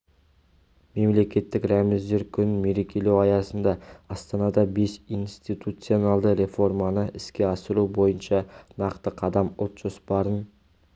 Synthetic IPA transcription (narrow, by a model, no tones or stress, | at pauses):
me̞mle̞kʲe̞t̪ːɪkɾæmɪzd̪e̞ɾkʲʰʏnɪnme̞ɾe̞kʲe̞le̞wɑjɑsənd̪ɑɑst̪ɑnɑd̪ɑbe̞sinst̪it̪ʰut̪sɨionɑlˠd̪əɾe̞fo̞rmɑnəɪskʲe̞ɑsəɾubo̞jənʃɑnɑqt̪əqʰɑd̪ɑmʊlˠt̪ʒ̥ospɑɾən